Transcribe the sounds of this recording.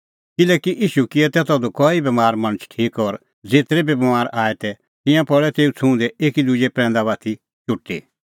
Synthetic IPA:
kɪlɛːkiʔiːʃukɪɛt̪ɛːt̪ɔd̪okɔːibɛmaːɾmɐ̃ñət͡ʃʰʈʰiːkɔɾ | d͡zeːt̪ɾɛbibmaːɾʔaːɛt̪ɛ | t̪ɪ̃jãpɔɭɛt̪eːut͡sʰũːd̪ɛʔeːkid̪ud͡ʒɛpɾɛ̃ːnd̪aβaːt̪ʰi | t͡ʃʊʈːḭ

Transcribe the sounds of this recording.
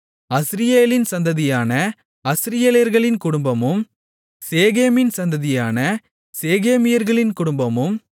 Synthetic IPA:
ɐsɪɾɪjeːlɪnsɐnd̪ɐðɪjaːnɐ | ɐsɪɾɪjeːleɾɣɐɭɪnkʊɽʊmbɐmɯm | seːɣeːmɪnsɐnd̪ɐðɪjaːnɐ | seːɣeːmɪjɐɾɣɐɭɪnkʊɽʊmbɐmɯm

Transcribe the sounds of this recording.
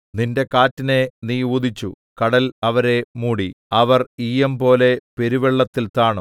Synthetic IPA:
ninde̞kaːtːine̞nijuːd̪it͡ɕːṵ | kɐɽɐlɐʋɐɾe̞muːɽi | ɐʋɐriːɐmpo̞ːle̞pe̞ɾuʋeɭːɐt̪ːilt̪aːɳo

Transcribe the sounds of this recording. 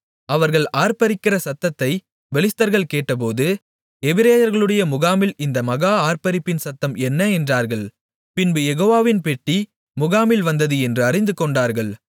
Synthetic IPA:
ɐʋɐɾɣɐɭaːɾpɐɾɪkːɪrɐsɐt̪ːɐt̪ːɐɪ | ʋɛɭɪst̪ːɐɾɣɐɭkeːʈːɐp̬oːðɯ | ɛʋɪɾeːjɐɾɣɐɭɯɽɐjɐmʊɣaːmɪlɪnd̪ɐmɐɣaːaːɾpɐɾɪpːɪnsɐt̪ːɐmɛnːɐɛndraːɾɣɐɭ | pɪnbɯjɛɣoːʋaːʋɪnpɛʈːi | mʊɣaːmɪlʋɐnd̪ɐðɯɛndrɯɐrɪnd̪ɯkɔɳɖaːɾɣɐɭ

